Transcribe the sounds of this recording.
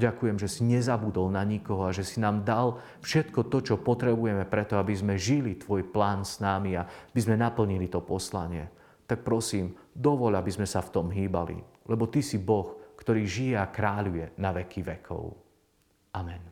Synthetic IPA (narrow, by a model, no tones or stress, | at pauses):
ɟakujɛmʒɛsiɲɛzabud̪ɔlnaɲikɔɦɔaʒɛsinaːmd̪al | fʃɛt̪kɔt̪ɔt͡ʃɔpɔt̪ɾɛbujɛmɛpɾɛt̪ɔabizmɛʒilit̪ʋɔjplaːnsnaːmiaabizmɛnapl̩ɲilit̪ɔpɔslaɲɪɛ̰ | t̪ak̚pɾɔsiːmd̪ɔʋɔʎabizmɛsaft̪ɔmɦiːba̰lḭ | lɛbɔt̪isibɔxkt̪ɔɾiːʒijɛakɾaːʎujɛnaʋɛkiʋɛkʰɔ̰ʊ | amɛn